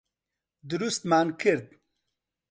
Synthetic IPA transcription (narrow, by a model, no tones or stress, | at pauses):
d̪uɾust̪maːnkiɾd̪̚